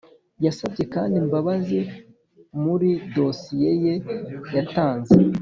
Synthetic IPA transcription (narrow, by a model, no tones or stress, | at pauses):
jasabɟe̞kaːndimbaβazi | muɾido̞sije̞je̞jataːnze